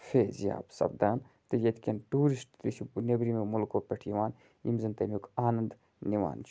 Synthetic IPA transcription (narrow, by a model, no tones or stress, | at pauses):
fʰeːzja̰ːbsɐ̰bd̪aːn | t̪ɨjɐt̪ʰikʲɐnʈuːɾisʈt̪it͡ʃʰinɐbɾimemulkoːpʲeʈʰjiʋaːn | ḭmzɐnt̪ɐmukaːnɐnd̪ | niʋa̰ːnt͡ʃʰ